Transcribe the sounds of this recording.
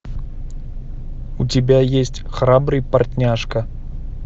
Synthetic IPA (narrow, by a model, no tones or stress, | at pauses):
utʲibʲajesʲtʲxrabɾɨjpartʲnʲaʂkɐ